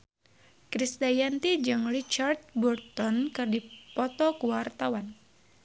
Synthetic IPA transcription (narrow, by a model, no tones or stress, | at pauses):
kɾist̪ajant̪id͡ʒɨŋrit͡ʃart̪̚bɔrt̪ɔnkɨrdipɔt̪ɔkuwart̪awan